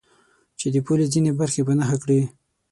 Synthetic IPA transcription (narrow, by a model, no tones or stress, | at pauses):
t͡ʃed̪əpolizinebaɾxepanaxakɽi